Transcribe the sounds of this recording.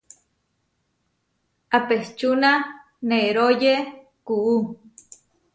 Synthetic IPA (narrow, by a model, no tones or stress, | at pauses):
apeht͡ʃuna | neɾoje | kuʔu